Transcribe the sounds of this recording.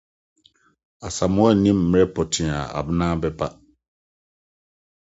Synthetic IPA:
a˨sa˨mʊ˦ɔ˦˨nĩ˦m̩ː˨˦ɾɛ˦pʰɔ˨tʰɪ̃˨a̰˨a̰˨bnãː˦bɛ˦pʰa˦

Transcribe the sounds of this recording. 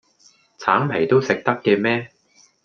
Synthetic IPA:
t͡sʰaː˨˥mpʰe˨˩jt̪o˥wsɪ˨k̚t̪ɐ˥kːɛː˧mɛː˥

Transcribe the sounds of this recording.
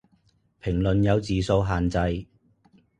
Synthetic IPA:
pʰɪ˨˩ŋlɵ˨njɐ˨˧wt͡siː˨so˧wɦaː˨nt͡sɐ˧j

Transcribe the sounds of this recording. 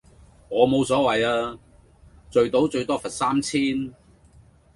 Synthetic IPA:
ŋɔː˨˧mo˨˧wsɔː˨˥wɐ˨jaː˧ | t͡sɵ˨ɥt̪o˨˥wt͡ʃɵ˧ɥt̪ɔː˥fɐ˨t̚saː˥mt͡sʰiː˥n

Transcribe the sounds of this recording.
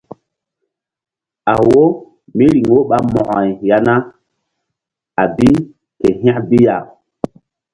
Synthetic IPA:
a˨wo˦ | mi˦ɾi˨ŋwo˦ɓa˦mɔ̃˨ʔɔ̃˨jja˨na˦ | a˨bi˦ | ke˨ɦĩ˦ã˦bi˦ja˨

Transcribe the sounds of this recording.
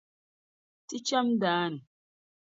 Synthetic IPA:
ti˦t͡ʃa˦mdaː˨˦nu˨

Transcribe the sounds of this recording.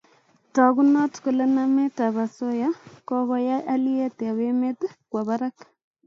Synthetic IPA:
tɔ˨ku˦nɔ˦tko˨le˦na˦me˦ta˨βa˨so˦ja˦kɔ˦ɣɔ˦ja˦ʔa˦li˦ɛ˦te˨a˨we˦me˦tkwa˨βa˦ɾa˦k

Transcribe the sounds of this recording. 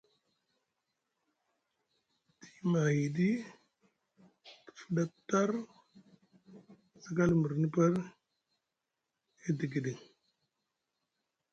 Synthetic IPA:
ti̥˨˦ma˨hi˨di˦ | ti̥˨fə˦da˦tːa˦ɾ | si˦ɡa˦lmə˨ɾni˦pə˦ɾ | e˦di˨ɡi˨di˨ŋ

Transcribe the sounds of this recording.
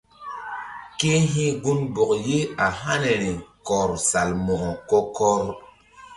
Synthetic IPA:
ke˦ɦĩ˦ɡu˦nbo˨kje˦a˨ɦa˦ne˨ɾi˨kɔ˨ɾsa˨lmɔ˨kɔ˨kɔ˦kɔ˦ɾ

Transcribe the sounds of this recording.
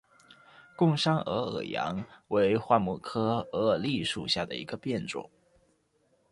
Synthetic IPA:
kʊ˥˧ŋʂɑ˥ŋɤ˧˥ɤ̰˨˩jɑ̰˧˥ŋwe˧˥ɪxwa˥˧mu˥˩kʰɤ˥ɤ˧˥˧li˥˩ʂṵ˨˩ɕja˥˩d̪ə̰˩ḭ˧˥ɡ̥ə˧pjɛ˥˩nʈ͡ʂʊ̰˨˩˦ŋ

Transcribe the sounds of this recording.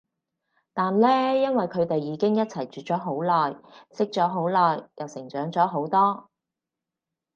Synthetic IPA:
t̪aː˨nlɛː˥jɐ˥nwɐ˨jkʰɵ˨˧ɥt̪e˨jːiː˨˧˥kɪ˥ŋjɐ˥t̚t͡sʰɐ˨˩jt͡ʃyː˨˩t͡sɔː˨˥ɦo˨˥wlɔː˨˩jsɪ˥k̚t͡ʃɔː˨˥ɦo˨˥wlɔː˨˩jjɐ˨˩wsɪ˨˩ŋt͡ʃœː˨˥ŋt͡sɔː˨˥ɦo˨˥wt̪ɔː˥

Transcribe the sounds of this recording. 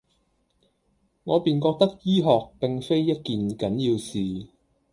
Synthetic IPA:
ŋɔː˨˧piː˨nkɔː˧k̚t̪ɐ˥k̚jiː˥ɦɔː˨k̚pɪ˨ŋfe˥jːɐ˥t̚kiː˨nkɐ˨˥njiː˧wsiː˨

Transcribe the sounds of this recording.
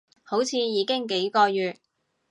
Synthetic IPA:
ho˨˥wt͡sʰiː˧jiː˨˧kɪ˥ŋk̬e˨˥jkɔː˧jyː˨t̚

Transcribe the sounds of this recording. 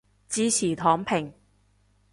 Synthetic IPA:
t͡siː˧t͡sʰiː˨˩t̪ʰɔː˨˥ŋpʰɪ˨˩ŋ

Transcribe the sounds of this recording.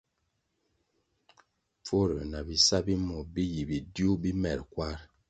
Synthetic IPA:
fo˦ɾə̰˨na˨bi˨sa˦bi˦mɔ˨bi˦ji˨bi˨dju˦bi˦mɛ˨ɾkwa˦ɾ

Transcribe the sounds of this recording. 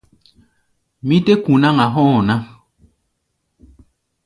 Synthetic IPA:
mĩ˦te˦kũ˨nã˦ŋa˨ɦɔ̃ː˦˨nã˦

